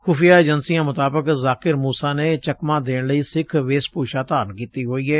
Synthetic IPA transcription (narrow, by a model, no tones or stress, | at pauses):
xʊfɪjaːeːd͡ʒənsijãːmʊt̪aːbəkzaːkɪɾmuːsaːneːt͡ʃəkmãːd̪eːɽləiːsɪkʰʋeːspuːʃaːt̪aːɾənkiːt̪iːɦoːiːɦɛː